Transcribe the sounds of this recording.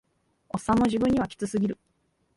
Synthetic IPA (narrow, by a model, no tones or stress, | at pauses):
o̞sːãnːo̞ʑibɯ̃ɲ̟ːiβakʲi̥t͡sɨsɨɡʲiɾɯ̟